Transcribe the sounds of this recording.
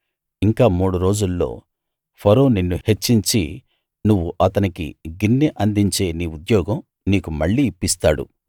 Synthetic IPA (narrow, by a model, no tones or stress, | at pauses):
iŋkaːmuːɽuɾo̞ːd͡ʒulːo̞̰ː | pʰɐɾoːninːuhet͡ʃːiɲt͡ʃḭ | nuʋːuʔɐt̪ɐnikḭɡinːiʔɐnd̪iɲt͡ʃe̞ːniːud̪jɔːɡɐm | niːkumɐɭːiːpːist̪aːɽṵ